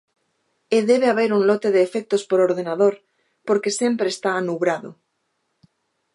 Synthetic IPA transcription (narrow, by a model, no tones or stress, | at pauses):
eðeβ̞eaβeɾuŋlot̪eðeːfek̚t̪ospoɾoɾðenaðoɾ | poɾkesempɾeːst̪aːnuβɾaðo̰